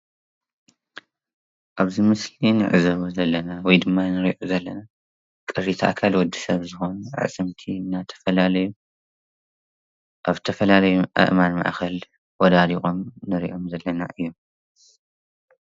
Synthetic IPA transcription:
ʔaβzimɨslinɨ̰ʕɨzɐβuzɐlːɐnawɔjd̪ɨmːanɨɾiʔozɐlːɐna | kʼɨɾit̪ʰɐʔkʰalwɔd̪ːisɐβzɨxo̞nʔʕ̰a̰sʼɨmt̪ʰinːat̪ʰɐ̥fɐlalɐju | ʔaβt̪ʰɐfɐlalɐjuʔa̰ʔmanma̰ʔxɐl | wɔd̪ad̪ixʼomnɨɾḭʔo̞mzɐlːɐna̰ʔɨjːom

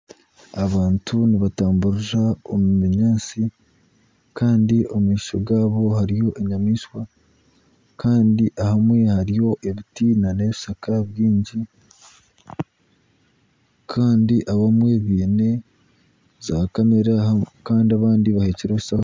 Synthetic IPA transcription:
aβaːntʰuniβataːmbuɾuʒaomumeɲaːt͡si | kʰaːndiʔo̞muŋiːʃo̞̰ɡaːβo̞haɾijo̞ʔeɲamiːʃwa | kʰaːndiʔahamwe̞haɾijo̞ʔeβitiːnane̞βisakaβjiːɲɟi | kʰaːndiʔaβamwe̞βiːne̞ | zakame̞ɾakaːndiaβaːndiβahe̞ːceɾeβusaho

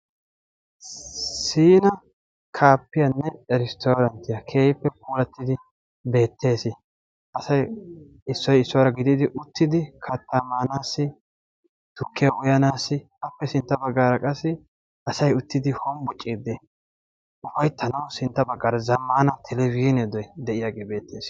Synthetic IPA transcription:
siːnɐ | kʰaːpːɪjɐnːɛɛɾɪst̪ʰoːɾɐnt̪ɪjɐkʰe̞ːjɪpːɛp̚ʼuːlɐt̪ːɪd̪ɪ | be̞ːt̪ʰːe̞ːsɪ | ɐsɐj | ɪsːɔjɪsːɔwaɾɐɡɪd̪id̪ɪʔʊt̪ːɪd̪ɪkʰɐt̪ːɐmaːnaːsːɪ | t̪ʊkːɪjɐʔʊjɐnaːsːɪ | ɐpːɛsɪnt̪ːɐbɐɡːaːɾɐkʼɐsːɪ | ɐsɐjʊt̪ːɪd̪ɪhɔmbʊt͡ʃʼːiːd̪ːɪ | ʊfɐjt̪ʰɐnɐwsɪnt̪ːɐbɐɡːaːɾɐzɐmːaːnɐt̪ʰɛlɛviːnɛd̪ɔjd̪ɛʔɪjaːɡeːbe̞ːt̪ːeːs

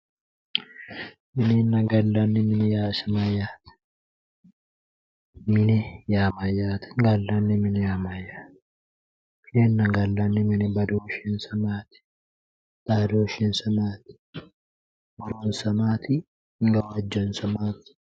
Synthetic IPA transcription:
mɪnɛnːɐɡɐlːɐnːɪmɪnɛjaːsɐmɐjːaːt̪ | mɪnɛjaːmɐjːaːt̪ɡɐlːɐnːɪmɪnɛjaːmɐjːaːt̪ | kenːɐɡɐlːɐnːɪmɪnɛbɐd̪oːʃɪnsɐmaːt̪ɪ̥ | d̪̥aːd̪oːʃɪnsɐmaːt̪ɪ̥ | mɔɾonsɐmaːt̪ɪ | ŋɡɐwɐd͡ʒːɐnsɐmaːt̪ɪ̥

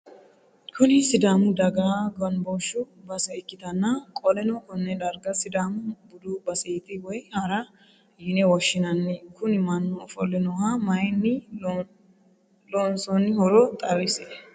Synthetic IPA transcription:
kʰʊnɪsɪd̪aːmʊd̪ɐɡaːɡɔnbɔʃːʊ | bɐsɛɪkːɪt̪ɐnːɐkʼɔlɛnɔkɔnːɛd̪ɐɾɡɐsɪd̪aːmʊbʊd̪ubɐsɛt̪ʼɪwɔjhɐɾɐ | jɪnɛwɔʃːɪnɐnːɪkʊnɪmɐnːɔfɔlɛnɔhamɐjnːɪ | loːnsɔnːɪhɔɾɔt̪ʼɐrɪsɛ

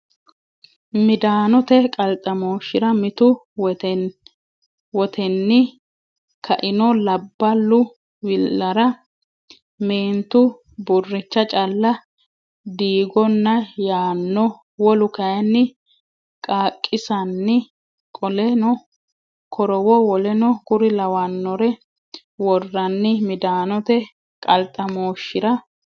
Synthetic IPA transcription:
mɪd̪aːnɔt̪ɛkʼɐlt̪ʼːɐmoːʃɪɾɐmɪt̪ʊ | wɔt̪ʰɛnːɪ | kʰɐʔɪnɔlɐbːɐlːʊ | wɪɐɾɐ | meːnt̪ʊ | bʊrːɪt͡ʃːɐt͡ʃʼɐlːɐ | d̪iːɡɔnːɐjaːnːɔ | wɔlʊkɐjɐnːɪ | kʼaːkʼːɪsɐnːɪ | kʼɔlɛnɔ | kʰɔɾɔwɔwɔlɛnɔkʊɾɪlɐwɐnːɔɾɛ | wɔrːɐnːɪmɪd̪aːnɔt̪ɛ | kʼɐlt̪ʼːɐmoːʃːɪɾɐ

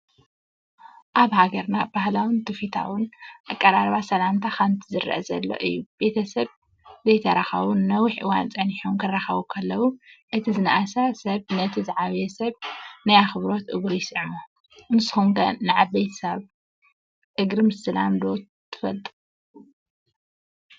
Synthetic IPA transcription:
ʔaβhaɡɐɾnabahlawɨnt̪ʰɨfit̪ʰa̰wʊnʔakʼːɐɾaɾβasɐlamt̪ʰaxɐnt̪ʰizɨɾ̰ʔɐ̰zɐ̰lːo̞̰ʔɨ̰jːub̥e̞t̪ʰɐsɐβ | zɐjt̪ʰɐɾaxɐ̰βunːɐwɪħʔɨwa̰nt͡sʼɐniħomkʰɨrːaxɐβukʰɐlːɐwuʔɨt̪ʰizɨnaʔasasɐβnɐt̪ʰizɨʕaβjɛsɐβnajaxɨβɾo̞t̪ʔɨ̰ɡɾujɪsʕmo | nɨsɨxuŋɡɐ̰nːɨʕabejt̪ʰɐsɐβ | ʔɨɡɾɨmsɨla̰md̪o̞ | t̪ʰɨ̥fɐlt̪ʼu

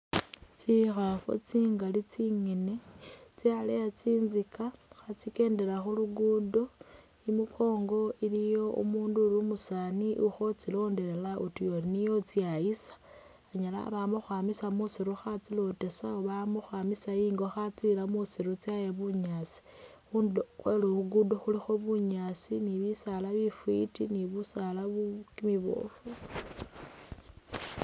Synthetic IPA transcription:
t͡sixafo̰t͡siːŋɡalit͡siŋine̞t͡sialejat͡siːnzikaxat͡sike̞ːnde̞laxuluɡuːdo̞ | imukʰo̞ːŋɡo̞ilijo̞ṵmuːnduːlumusaniʔuxo̞t͡silo̞ːnde̞ɾelautijoɾinijo̞t͡siajisḁ | aɲala̰βamuxwaːmisamusiɾuxat͡silo̞te̞saoβamuxwamisaiːŋɡoxat͡silamusiɾut͡sajeβuɲat͡si̥ | xundxweluβuɡudoxulixoβuɲasiniβisalaβifwḭtiniβusalaβukimiβo̰ːfu

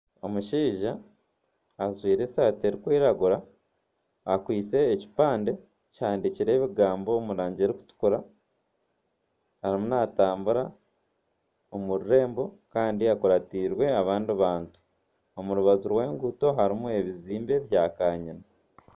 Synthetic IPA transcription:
o̞muʃiːʒaː | zwiːɾe̞saːte̞ɾikwiːɾaɡuɾaː | kwiːt͡se̞ːci̥paːnde̞ | cihaːndiciɾe̞ːβiɡaːmbo̞ːmuɾaːɲɟe̞ɾiku̥tu̥kuɾa | haɾimunaːtaːmbuɾa | omuɾuɾe̞ːmbo̞kaːndiakuɾatiːɾwe̞aβaːndiβaːntu̥ | o̞muɾuβazuɾwe̞ːŋɡuto̞ɦaɾimue̞βiziːmbe̞βjaːkaːɲina

